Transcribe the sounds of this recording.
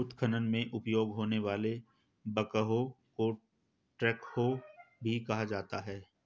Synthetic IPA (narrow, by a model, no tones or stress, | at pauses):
t̪kʰənənmẽʔʊpjoːɡɦoːneʋaːle | bɐkəɦoko | ʈɾɛːkhobʱikɐɦad͡ʒaːt̪aɦɛː